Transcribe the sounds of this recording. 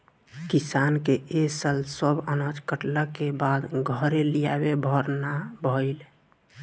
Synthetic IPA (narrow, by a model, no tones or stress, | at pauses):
kisaːnkeesəlsəbənad͡ʒkəʈlakebad̪ɡʱəɾelija̰bebʱəɾnabʱəɪl